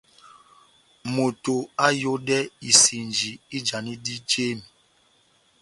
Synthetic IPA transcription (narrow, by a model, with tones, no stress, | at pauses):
mo˨to˨a˦jo˦dɛ˦i˨si˨nd͡ʒi˨i˦d͡ʒa˨ni˦di˦d͡ʒe˦˨mi˨